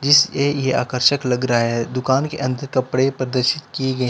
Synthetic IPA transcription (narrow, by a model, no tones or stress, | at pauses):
d͡ʒɪsejea̰ːkəɾʃəklɐɡɾɐaɦɛd̪ʊkaːnkeʔɐ̃nd̪əɾkɐpɽepɾɐd̪əɾʃɪt̪kiɡɐĩ